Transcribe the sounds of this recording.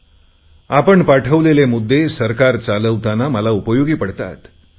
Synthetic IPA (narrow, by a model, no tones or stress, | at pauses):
apəɳpaʈʰəʋlelemud̪ʱːesəɾkaɾt͡saləʋt̪anaməlaupəjoɡiːpəɽt̪a̰t̪